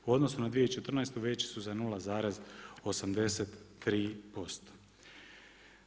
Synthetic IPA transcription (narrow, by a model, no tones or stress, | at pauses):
uo̞d̪no̞sunad̪ʋijeit͡ʃe̞t̪r̩najst̪uʋe̞t͡ʃi̥suzanuːlazaːɾazo̞samd̪e̞set̪ːɾiːpo̞st̪o̥